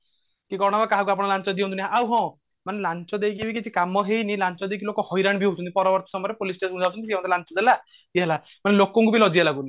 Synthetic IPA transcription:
kikɔɾɽ̃ɔbakaɦakuap̬ɔɽ̃lant͡ʃɔd̪iõnt̪uniɦaʔawɦɔ̃ | manelant͡ʃɔd̪ejkibikit͡ʃʰikamɔɦejnilant͡ʃɔd̪ekʰilokɔhɔjɾaɳ̃biɦut͡ʃʰɔnipɔɾɔbɔɾt̪ɔsɔmɔjɔɾepolisʈesũnd͡ʒawt͡ʃʰuniiemat̪ʰelant͡ʃɔd̪ela | d̪ɦela | manelokɔŋkubilɔd͡ʒialaɡuni

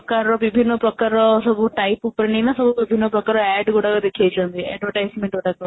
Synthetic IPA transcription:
ɐkaːɾɐʋibʱinːɐpɾɐkaːɾɐsɐbʱuʈɐjpupːɐɾɐnɐnasɐbʱuʋibʱinːɐpɾɐkaːɾɐ̃ɛːɖkuːɽaɡad̪ekʰːiet͡ʃɐnd̪iɛ̰ɖʋɐʈɐjsmeɳʈkuːɽaɡɐ

